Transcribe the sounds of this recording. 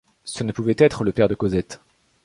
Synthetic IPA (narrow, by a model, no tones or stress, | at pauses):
sənəpuvɛt̪ɛt̪χələpɛʁd̪əkozɛt̪